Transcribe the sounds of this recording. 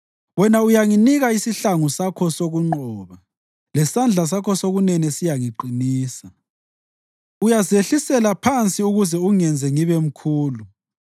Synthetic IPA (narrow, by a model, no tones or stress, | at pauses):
wɛnaujaŋiniɣaisiɬaŋusakʰɔsoɣuŋ͡ǃɔβa | lɛsand͡ɮʱas̬akʰɔsoɣunɛnɛsijaŋiǃiniːsa | ujazeɬisɛlapʰant͡sʼiuɣuzɛuŋɛnd͡zʱɛŋiβem̩kʰuːlu